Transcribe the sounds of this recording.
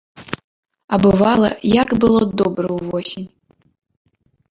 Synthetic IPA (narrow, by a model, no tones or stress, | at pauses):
abɨvalˠɐ̰jakbɨlˠod̪obrɐwvɔsʲinʲ